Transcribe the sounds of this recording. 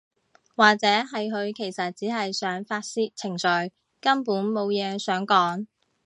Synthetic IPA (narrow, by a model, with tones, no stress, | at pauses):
waː˨k̚t͡sɛː˨˥ɦɐ˨jɦɵ˨˧ɥkʰe˨˩jsɐ˨t̚t͡siː˨˥ɦɐ˨jsœː˨˥ŋfaː˧t̚siː˥t̚t͡sʰɪ˨˩ŋsɵ˨˥ɥ | kɐ˥mpuː˨˥nmo˨˧wjɛː˨˧sœː˨˥ŋkɔː˨˥ŋ